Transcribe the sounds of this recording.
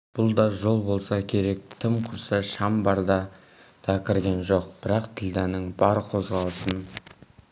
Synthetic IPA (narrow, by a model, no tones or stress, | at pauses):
b̥ʊlˠd̪ɑʒo̞lˠbo̞lˠsɑkʲʰe̞ɾe̞k̚t̪ʰɪmqʰʊɾsɑʃɑmbɑɾd̪ɑ | d̪̥ɑkʲʰɪɾɡʲe̞nʒo̞qb̥ɪɾɑqt̪ʰɪld̪ænɪŋbɑɾəqʰo̞zʁɑlˠəsən